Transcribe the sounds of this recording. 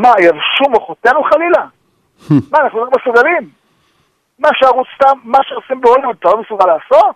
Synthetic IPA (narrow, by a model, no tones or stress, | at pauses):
majavʃumoχot̪enuχalila | maːnaχnuimesuɡalimː | aʃeaʁut͡st̪amːaʃeosimbeolvud̪t̪alomesuɡalaːsot̪̚